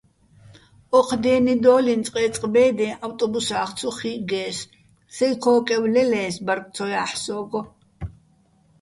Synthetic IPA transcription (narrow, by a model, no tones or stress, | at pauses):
ɔqʰd̪ɛːnid̪ɔːlint͡s̪ʼqʼɛːt͡sʼqʼbɛːd̪ɛ̃ʔawt̪ʼɔbusaːχt͡sʰɔχiɡɛːs | sɛjkʰɔːkʼɛwlɛlɛːsbaɾk̪ʼʰɔjaːħsɔːɡɔ